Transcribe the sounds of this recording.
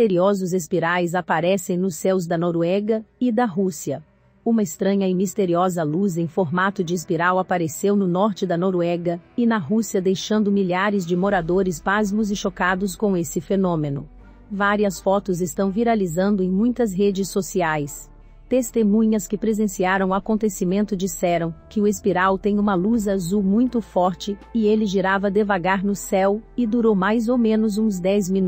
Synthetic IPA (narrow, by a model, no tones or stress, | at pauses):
eɾiɔzʊzespiɾajzapaɾɛsẽj̃nʊsːɛwzd̪ɐnoɾwɛɡɐɪd̪ɐɦusiɐ | ũmɐɪst̪ɾɐ̃ɲɐɪmist̪eɾiɔzɐluzẽj̃foɾmat̪ʊd͡ʒɪes̬piɾawapaɾesewnʊnɔɾt͡ʃɪd̪ɐnoɾɛɡɐɪnɐɦusiɐd̪ejʃɐ̃nd̪ʊmiʎaɾɪzd͡ʒɪmoɾad̪oɾɪspazmʊzɪʃokad̪ʊskõw̃esɪfenõmenʊ̰ | vaɾiɐsfɔt̪ʊzɪst̪ɐ̃w̃viɾalizɐ̃nd̪ʊẽj̃mũj̃t̪ɐzɦed͡ʒɪsːosiajs | t̪est̪emũɲɐskɪpɾezẽsiaɾɐ̃w̃ʊakõnt̪esimẽnt̪ʊd͡ʒisɛɾɐ̃w̃kɪʊespiɾawt̪ẽj̃ũmɐluzazumũj̃t̪ʊfɔɾt͡ʃɪɪelɪʒiɾavɐd̪evaɡaɾnʊsɛwɪd̪uɾowmajzowmẽnʊzũzd̪ɛjzmĩn